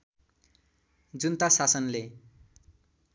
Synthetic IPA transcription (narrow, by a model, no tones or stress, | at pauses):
d͡zunt̪asasʌnle